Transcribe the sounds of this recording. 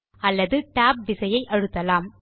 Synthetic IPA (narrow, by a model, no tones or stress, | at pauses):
ɐlːɐðɯʈaːp̚ʋɪsɐjɐɪʔɐɻɯt̪ːɐlaːm